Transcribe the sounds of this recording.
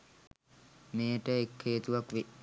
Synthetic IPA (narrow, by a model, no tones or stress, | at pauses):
meːʈəekʰːeːt̪uʋakʋe